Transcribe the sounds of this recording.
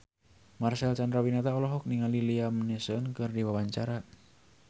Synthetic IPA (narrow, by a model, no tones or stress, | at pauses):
marsalt͡ʃandɾawinat̪aɔlɔɦɔk̚niŋaliliamnɛsənkɨrdiwawaɲt͡ʃaɾa